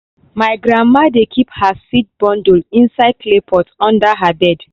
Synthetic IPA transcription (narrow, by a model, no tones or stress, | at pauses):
maɪɡɹãnmːadekʰiphasit̚bɔ̃ndulĩnsaɪd̚plepʰɔtɔ̃ndaɦabɛd